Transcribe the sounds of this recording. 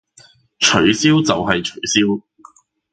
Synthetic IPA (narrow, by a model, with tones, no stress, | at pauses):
t͡ʃʰɵ˨˥ɥsiː˥wt͡sɐ˨wɦɐ˨jt͡ʃʰɵ˨˩ɥsiː˥w